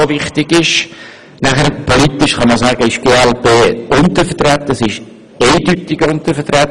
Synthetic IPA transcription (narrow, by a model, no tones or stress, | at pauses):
oʋɪχtɪɡ̥ɪʃ | næχəɾpʰɔlit̪ɪʃχɑmɑsæːɡəɪʃɡ̥eːɛlpeːʔʊntəɾfətɾɛt̪ːəsɪʃ | eɪdytɪɡʊnt̪əfətɾɛt